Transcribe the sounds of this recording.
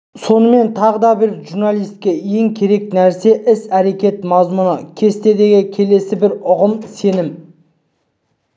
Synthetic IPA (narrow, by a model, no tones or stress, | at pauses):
so̞nəme̞nt̪ʰɑʁəd̪ɑbɪɾʒuɾnalˠijst̪̚kʲeje̞ŋkʲʰe̞ɾe̞k̚næɾse̞ʔɪsæɾe̞kʲe̞t̪mɑzmunəkʲʰe̞st̪e̞d̪e̞ɡʲɪkʲʰe̞le̞sɪbɪɾʊʁəmse̞nɪm